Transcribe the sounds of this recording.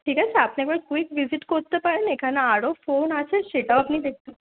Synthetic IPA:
ʈʰiːkat͡sʰeapnekʋəɾkikʋid͡ziʈkot̪ːəpaɭenekʰanaːɽɔfonaseɕeʈawapniːd̪ek̚ʰt̪ə

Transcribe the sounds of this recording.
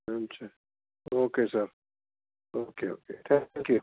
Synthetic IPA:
ɐmt͡ʃʰa | oːkesɐɾ | oːkeo̰ːket̪ʰɛ̃ŋkju

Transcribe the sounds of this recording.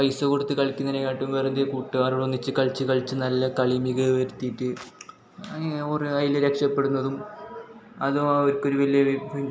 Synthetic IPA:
pɐjsɐkoɽut̪ːɨkɐɭikʲːunːɐnekaːʈːumʋeːrɨnd̪ekuːʈːuʋaːruɽonːit͡ɕːɨkɐɭt͡ɕːɨkɐɭt͡ɕːɨnɐlːɐkɐɭimiɣɐʋɐɾut̪ːijiʈːɨ | orɨɐjlɐɾekʂɐpːe̞ɽunːɐðum | ɐðɨɐɾkːo̞ɾuʋɐlijɐʋi

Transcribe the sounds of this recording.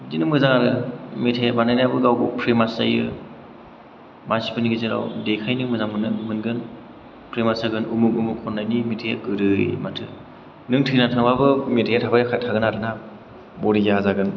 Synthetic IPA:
zinɯmɯzaŋaɾɯmetʰajabanajnabɯɡawbɯpʰɾemasa̰jɯ | masi̥pɯniɡɯzɯɾa̰wdejkʰajnɯmɯzaŋmɯnɯmɯnɡɯn | pʰɾemasaɡɯnumukumukʰːɔnːajnimetʰaja̰kɯɾɯjmatʰɯ̰ | nɯŋtʰɯnatʰɯŋbabɯmetʰajatʰabajakʰajtʰaɡɯnaɾɯna | bɔɾijazaɡɯn

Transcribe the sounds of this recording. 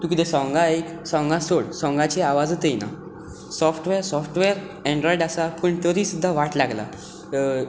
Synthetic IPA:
t̪ũkit̪esɔŋɡaeksɔ̃ŋɡãsoɽsɔ̃ŋɡat͡ɕeaʋad͡zt̪ejna̰ | sɔfʰʈʋeɾsɔfʈʋeɾ | ɛ̃ɳɖɾɔiɖasapəɳt̪əɾiːsud̪ʱːaʋaʈlaɡla̰

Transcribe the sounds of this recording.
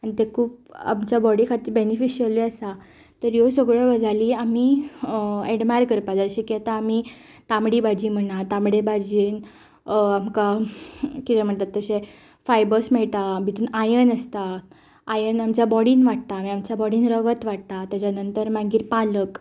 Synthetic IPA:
añit̪ekʰuːp̚a̰mt͡ɕjabɔɽikʰat̪iːbenifiɕiəliəsa | t̪əɾjosəɡɭəɡəd͡zʱaliːami | eɽmaɾkəɾpad͡zad͡zəɕekɛt̪aːmi | t̪amɽiːbad͡ʑiːm̤əɳat̪amɽebad͡ʑiːn | amka | kit̪ɛm̤əɳt̪at̪ːəse | fajbəsmɛɭt̪abʱit̪uːnajənəst̪aː | jənamt͡ɕjabɔɽiːnʋaʈ̚t̪aːmiamt͡ɕabɔɽiːnɾəɡət̪ʋaʈ̚t̪at̪jat͡ɕanənt̪əɾmãŋɡiːɾpalək

